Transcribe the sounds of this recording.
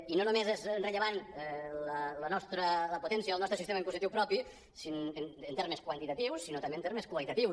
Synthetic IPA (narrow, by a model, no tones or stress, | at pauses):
inonumezezrəʎeβanlələnɔst̪ɾələpot̪ɛnsjəəlˠnɔst̪ɾsist̪emɐiŋpusit̪iwpɾɔpi | sinenənt̪eɾmeskwənt̪it̪ət̪iwsːinot̪ɐmbeːnt̪eɾmeskwalit̪ət̪iw